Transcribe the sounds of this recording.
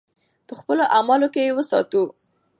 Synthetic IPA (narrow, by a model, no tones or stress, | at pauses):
pəxpəloʔamɑlokejewəsɑ̰t̪u